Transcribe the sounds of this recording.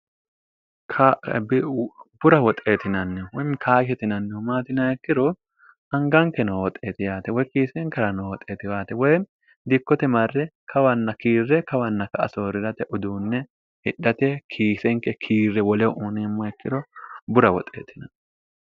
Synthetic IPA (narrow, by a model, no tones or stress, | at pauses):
kʰabɪbʊɾɐwɔt̪ʼe̞ːt̪ɪnɐnːɛwɔjnkʰaːʃɛt̪ɪnɐnːɛʊmaːt̪ɪnɐɛkːɪɾɔ | ɐŋɡɐŋkːɛnɔwɔt̪ʼːeːt̪ɪjaːt̪ɛwɔjkiːsɛŋkɐɾɐnowɔt̪ʼːeːt̪ɪjaːt̪ɛwɔj | d̪ɪkːɔt̪ɛmɐrːɛkʰɐwɐnːɐkiːrːɛkɐwɐnːɐkɐɐsoːɾɪɾɐt̪ɛʔʊd̪uːnːɛ | hɪᶑːɐt̪ɛkʰiːsɛŋkɛkʰiːrːɛwɔlɛʔuːneːmːɔɛkːɪɾɔbʊɾɐwɔt̪ʼːḛːt̪ɪnɐnː